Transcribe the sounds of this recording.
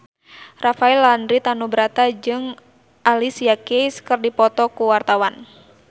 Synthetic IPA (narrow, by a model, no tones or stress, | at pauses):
rafaɛlːandɾit̪anubɾat̪ad͡ʒɨŋ | ʔalisiakejskɨrdipɔt̪ɔkuwart̪awan